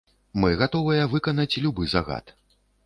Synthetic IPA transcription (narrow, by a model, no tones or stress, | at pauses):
mɨɣat̪ɔvɐjɐvɨkɐnɐt͡sʲlʲubɨzaɣa̰t̪